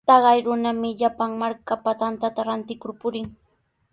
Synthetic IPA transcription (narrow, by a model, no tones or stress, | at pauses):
t̪ɑɢɑjɾʊnamɪʎapaŋmaɾkapat̪ant̪at̪aɾant̪ɪkʊɾpʊɾɪŋ